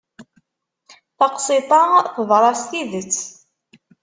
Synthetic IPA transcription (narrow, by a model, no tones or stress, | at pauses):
θɑqsˤɪt̪ˤɑθəðˤɾˤɑst̪iðət͡sː